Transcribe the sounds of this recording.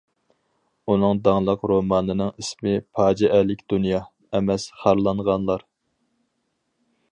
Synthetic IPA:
unɨŋd̪ɑŋlˠɑqɾomɑːnɨnɨŋismɪpʰɑːd͡ʒɛʔælɪkʲd̪unjɑ | ɛmɛsχɑɾlˠɑɴʁɑnlˠɑɾ

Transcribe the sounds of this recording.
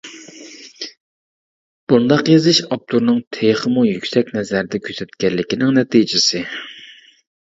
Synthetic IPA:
b̥und̪ɑqjezɪʃɑp̚t̪ʰuɾnɨŋt̪ʰeχəmujykʲsɛkʲnɛzæɾɪd̪ɛkʲʰøsɛt̪kʲɛlːɪkʲinɪŋnɛt̪ijd͡ʒɪsɪ

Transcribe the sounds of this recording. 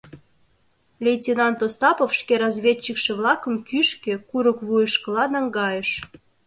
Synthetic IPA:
lʲejtʲinɑnt̪ost̪ɑpofʃkeɾɑzβʲet͡ɕːikʃĕβlɑkəmkyʃkekuɾəkβujəʃkəlɑnɑŋɡɑjəʃ

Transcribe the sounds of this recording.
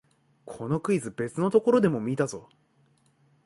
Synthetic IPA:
kʰo̞no̞kɯ̟izɨbe̞t͡sɨno̞t̪o̞ko̞ɾo̞d̪e̞mo̞mʲiːt̪azo̞

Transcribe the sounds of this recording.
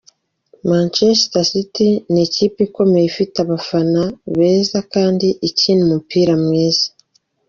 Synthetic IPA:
maːnt͡ʃesitasitiniciːpiko̞mejifitaβafanaβeːzakaːndiʔiciːnumupiːɾamŋeːz̥ḁ

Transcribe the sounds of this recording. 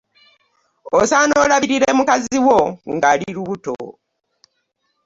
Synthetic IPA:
osaːno̞laβiɾiɾe̞mukaziwo̞ŋɡaːliɾuβuto̰

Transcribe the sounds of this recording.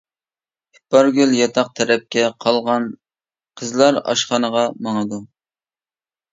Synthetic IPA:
hipɑɾɡʲyljɑt̪ʰɑq̚t̪ʰɛɾɛp̚kʲɛqʰɑlˠʁɑn | qʰəzlˠɑɾɑ̰ʃχɑnəʁɑmɑŋəd̪u

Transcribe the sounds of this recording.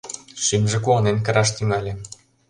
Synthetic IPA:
ʃimʒĕk̬oɤ̆nenkɤ̆ɾɑʃt̪yŋɑlʲĕ

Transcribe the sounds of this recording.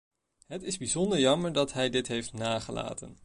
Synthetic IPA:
ɦətɪzbizɔndəɹjɑməɹdɑtɦɛjdɪtɦejftnaːχəla̰ːtə̰n

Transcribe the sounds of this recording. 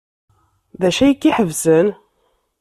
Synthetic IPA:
ðæʃæjikːiħəvsən

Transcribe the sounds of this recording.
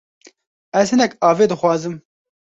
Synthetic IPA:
ɛzhɨnɛkɑːveːd̪ɨxwɑːzɨm

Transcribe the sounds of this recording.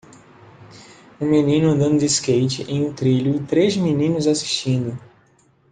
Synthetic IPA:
ũminĩnʊd̪ɐ̃nd̪iskejt͡ʃɪʔẽj̃ũt̪ɾiʎʊɪt̪ɾezminĩnʊzasi̥ʃt͡ʃĩnd̪ʊ

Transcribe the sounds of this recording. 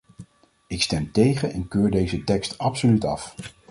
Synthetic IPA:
ɪkstɛmtejχənɛnkøːɹdejzətɛkstɑpsolytɑf

